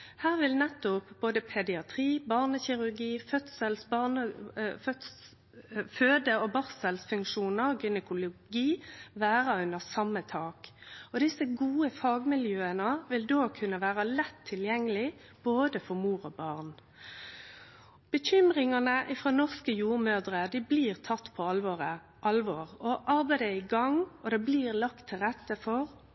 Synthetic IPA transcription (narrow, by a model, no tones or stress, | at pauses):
hæːʁʋɪlnɛt̪ːʊpb̥oːd̪əpʰɛd̪ɪɑt̪ʰʁiːbɑʁnəçɪʁʉʁɡiːfœt̪səlsbɑnəfœt̪ | føːd̪əɔbɑʁsəlsfʉŋkʃuːnəɡɪnəkʊlʊɡiːʋæːʁɑʉnəʁsɑmːət̪ʰɑːkɔd̪ɪsəɡuːəfɑːɡmɪljøːənəʋɪld̪oːkʰʉnːəʋæːʁəlɛt̪ʰːɪljɛŋːəlɪ | b̥oːd̪əfɔʁmuːʁɔbɑʁn | b̥əçʏmʁɪŋɑnəʔɪfʁoːnɔʁskəjuːʁmøːʁd̪ʁəd̪ibliːʁt̪ʰɑt̪ːpʰɔɑlʋɔʁə | ʔɑlʋɔːʁɔʔɑʁbæɪd̪əɪɡɑŋɔd̪ɛbliːʁlɑkt̪ʰːɪlʁɛt̪ːəfɔʁ